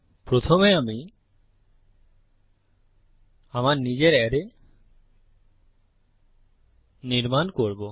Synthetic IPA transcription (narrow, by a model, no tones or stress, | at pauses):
pɾot̪ʰomeami | amaɾnid͡ʑeɾɛɾe | niɾmankoɾbo